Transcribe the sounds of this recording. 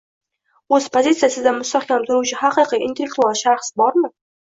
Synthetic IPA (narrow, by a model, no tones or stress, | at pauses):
ospʰozit̪sijasɪzd̪amʊst̪aχkʰʲɑmt̪ʰʊɾut͡ʃʰɪhaqiqiʔint̪ʰelʲːek̚t̪ualˠʃaɾχsbɒɾmə